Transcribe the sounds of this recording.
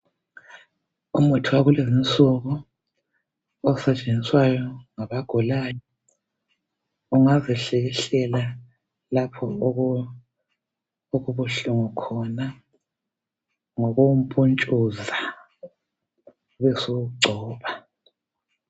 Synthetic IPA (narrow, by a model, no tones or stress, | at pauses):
umutʰiwaɣulezint͡sʼuɣɔ | ɔsɛt͡ʃʼend͡ziswajɔŋaβaɡ̥ʱɔlaːjɔ | uŋazɛɬɛɣɛɬɛla | lapʰɔɣ | oɣuβuɬuŋɔkʰɔna | ŋɔɣum̩pʼunt͡ʃʼuza | βɛsuɡ͡ǀʱɔːβa